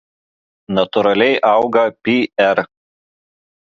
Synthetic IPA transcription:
nɐt̪ʊɾɐlʲɛɪʔɑˑʊɡɐpʲiɛɾ

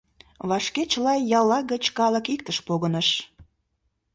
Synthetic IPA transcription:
βɑʃket͡ɕəlɑjjɑlːɑɣət͡ɕkɑləkik̚t̪əʃpoɣənəʃ

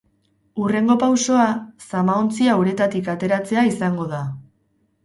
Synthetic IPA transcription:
ure̞ŋɡo̞pawso̞asamaont͡siawɾe̞t̪at̪ikat̪e̞ɾat͡se̞aisaŋɡo̞ð̞a

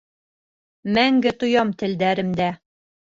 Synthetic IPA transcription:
mæŋɡɘt̪ŏjɑmt̪ɘ̆ld̪æɾɘ̆md̪æ

